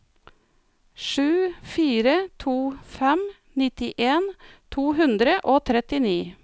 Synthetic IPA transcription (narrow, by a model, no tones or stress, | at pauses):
ʃʉːfiːɾət̪ʰuːfɛm | nɪt̪ɪʔeːnt̪ʰuːhʉnd̪ɾəʔoːt̪ʰɾɛt̪ɪniː